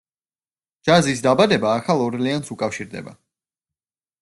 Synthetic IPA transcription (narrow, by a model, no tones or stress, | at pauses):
d͡ʒazis̬d̪abad̪ɛbaːkʰalˠɔɾliansukʼafʃiɾd̪ɛ̰ba̰